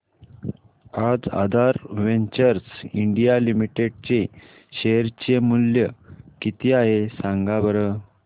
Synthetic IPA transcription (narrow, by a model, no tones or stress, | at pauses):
ad͡za̰d̪ʱaɾʋeɲt͡ɕəɾsiɳɖijalimiʈeɽ̚t͡ɕe | ɕeɾt͡ɕemuljəkit̪iaɦesãŋɡabəɾə